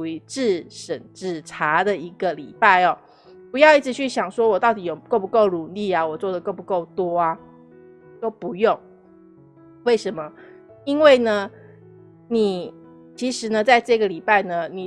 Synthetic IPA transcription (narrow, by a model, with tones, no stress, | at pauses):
i˧˦ʈ͡ʂɻ̩˥˧ʂə˨˩nʈ͡ʂɻ̩˥˩ʈ͡ʂʰa˧˥d̪ə˨i˧˥ɡə˨lḭ˨˩pa˥˩ɪɔ˩ | pu˧˦jɑ˥˧ʊi˥˩ʈ͡ʂʰɻ̩˧t͡ɕʰy˥˩ɕjɑ˨˩ŋʂwɔ˥wɔ˨˩t̪ɑ˥˩ʊt̪i˨˥jo˨˩ʊko˥˩pu˧˦ko˥˩ʊɻu˨˩li˥˩a˨wɔ˨˩t͡swɔ˥˩d̪ə˩ko˥˩ʊpu˨˦˥ko˥˩ʊt̪wɔ˥a˨ | jo˥˩ʊpu˧˦jo˥˨˩ŋ | we˥˩ɪʂə˧˦nmə˧ | i˦nwe˥˩ɪnə˦ | ni˨˩ | t͡ɕʰi˧˥ʂɻ̩˧˥nə˧t͡sa˥˧ɪʈ͡ʂɤ˥˧ɡə˨li˨˩pa˥˩ɪnə˩ni˨˩